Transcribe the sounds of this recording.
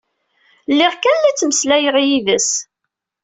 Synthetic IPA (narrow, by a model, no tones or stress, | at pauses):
lːɪʁkænlit͡sːməslæjʁijivəs